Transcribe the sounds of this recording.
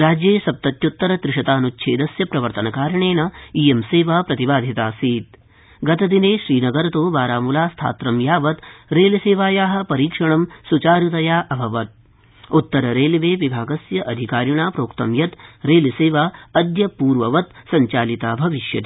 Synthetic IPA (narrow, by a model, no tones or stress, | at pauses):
ɾaːd͡ʒjeːsɐp̚t̪ɐt̪jut̪ːɐɾɐt̪ɾɪʂɐt̪aːnut͡ʃːʃʰeːd̪ɐsjɐpɾɐʋɐɾt̪ɐnɐkaːɾɐɳeːnɐiːemseːʋaːpɾɐt̪ibaːd̪ʱit̪aːsiːt̪̚ | ɡɐt̪ɐd̪ineːʃɾiːnɐɡɐɾɐt̪oːʋaːɾaːmulaːst̪ʰa̰ːt̪ɾɐmjaːʋɐt̪ɾeːliseːʋaːjaːɦɐ̆pɐɾiːkʂɐɳɐmsut͡ʃaːɾjut̪ɐjaːʔɐbʱɐʋɐt̪̚ | ut̪ːɐɾɐɾeːliʋeːʋibʱaːɡɐsjɐʔɐd̪ʱikaːɾjuɳaːpɾoːkt̪ɐ̰mjɐt̪ɾeːliseːʋaːɐd̪jɐpuːɾʋɐʋɐt̪sɐɲt͡ʃaːlit̪aːbʱɐʋiʃjɐ̰t̪i